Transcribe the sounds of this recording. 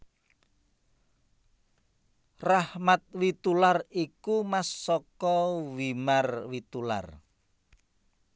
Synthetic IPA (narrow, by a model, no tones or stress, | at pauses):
rahmat̪̚wit̪ularikumasːɔkɔwimarwit̪ula̰r